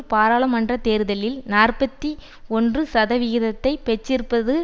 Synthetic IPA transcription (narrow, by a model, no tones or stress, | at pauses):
paːɾaːɭɐmɐndrɐt̪eːɾɯðɐlɪlnaːrpɐt̪ːi | ɔndrɯsɐðɐʋɪɣɪðɐt̪ːɐɪpɛt͡ʃːɪrpɐðɯ